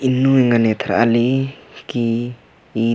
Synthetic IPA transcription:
inuiŋanet̪ʰaɾa̰likiː

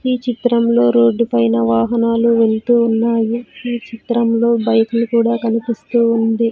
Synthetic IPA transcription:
iːt͡ʃit̪ɾɐmlo̞ːɾoːɖːupɐjnɐʋaːɦɐnaːluʋe̞ɭt̪uːunːaːjiiːt͡ʃit̪ɾɐmlo̞ːbɐjkunukuːɽaːkɐnipist̪uːund̪i

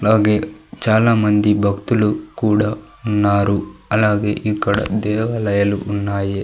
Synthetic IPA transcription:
ɐlaːɡe̞ːt͡ʃaːlaːmɐnd̪ibʱɐkt̪ulukuːɽaː | unːaːɾuɐlaːɡe̞ːʔikːɐɽɐ̰d̪ɛːʋɐlɐjɐlṵʔunːaːji

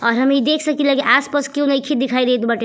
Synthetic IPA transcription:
ɔɾɦəmid̪ekʰsəkilakiʔaspəskjõnəkʰid̪ikʰajd̪ejt̪ʰbaʈe

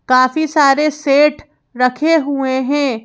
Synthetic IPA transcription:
kaːfisaːɾeseːʈʰ | ɾɐkʰeɦueɦɛ̃ː

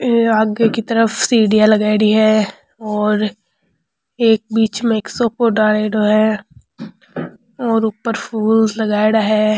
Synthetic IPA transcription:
aːɡekit̪ɐɾəfsiːɽijalɐɡaːɪɽiɦɛ | ɔːɾ | eːk̚biːt͡ʃmeːksokoɖaːɽeːɖoɦɛ | ɔːɾupːəɾfʰuːlzlɐɡaːɪɽaɦɛː

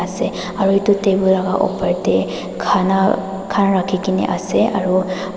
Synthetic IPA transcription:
asɛ | aɹuɦitutejbɔlaɡaʔɔ̰pajtɛ | kʰana | kʰanɹakʰikinḭʔa̰sɛa̰ɹu

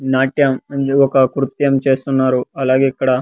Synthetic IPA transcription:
naːʈjɐmɐnɔkɐkɾut̪jɐmt͡ʃe̞ːst̪unːaːɾuɐlaːɡeːikːɐɽɐ

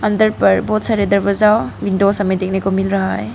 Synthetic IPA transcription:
ɐndəɾpɐɾbot̪̚saɾedɐɾbɐzawwindosɐmedek̚nekomilɾɐɦaj

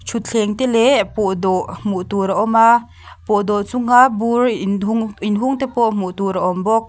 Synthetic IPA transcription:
t͡ʃʰut̪̚t͡ɬʰɛŋt̪ɛlɛpɔʔd̪ɔʔmuʔt̪uɾaʔɔma | pɔʔd̪ɔʔt͡suŋaburuŋinɦuŋt̪ɛpɔʔmuʔt̪uɾaʔɔmbɔk̚

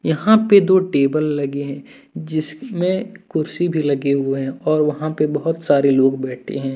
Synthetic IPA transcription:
jɐɦãped̪oːʈeːbəlːɐɡeɦɛ̃ː | d͡ʒɪsmẽkʊɾsibʱilɐɡeɦʊeɦɛ̃ɔːɾʋɐɦãpebɐɦʊt̪saːɾeloːɡbɛːʈʰḛɦɛ̃ː

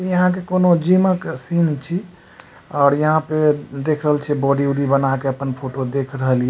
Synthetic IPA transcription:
ijəɦãk̬ekonod͡ʒiməksint͡ʃʰi | ɔːɾjəɦãped̪ekʰɾəɦəlt͡ʃʰɛbɔɖiuɾibənakeəpənpʰoʈod̪ekʰɾəɦəlijɛ

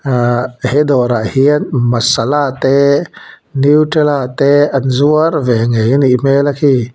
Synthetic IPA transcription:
ahed̪ɔɾaʔhiənmasalat̪e | niwʈelat̪ɛanzuəɾvɛŋejniʔmelakʰi

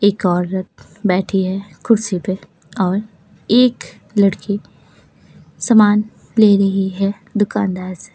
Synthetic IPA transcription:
eːkɔːɾːət̪̚ʰ | bɛːʈʰiɦɛkʰʊɾsipe | ɔːɾ | eːk | lɐɽki | sɐmaːn | leːɾɐɦiɦɛ | d̪ʊkaːnd̪aːɾse̥

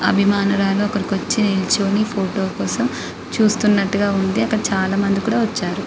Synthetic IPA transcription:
ɐ̰bʱimaːnuɾaːloːkɐɾikʋɐt͡ʃːinilt͡ʃoːnipʰoːʈo̞ːkɔːsɐm | t͡ʃuːst̪unːɐʈːuɡaːund̪iɐkːɐɽit͡ʃaːlaːmɐnd̪ikuːɽaːʋɐt͡ʃːaːɾu

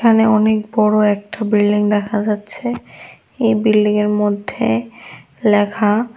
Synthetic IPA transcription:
kʰaneɔnek̚bɔɽoɛk̚ʈabɾilɖiŋd̪ɛkʰad͡ʑatːɕʰe | ejbilːiŋeɾmod̪ʱːe | lɛkʰa

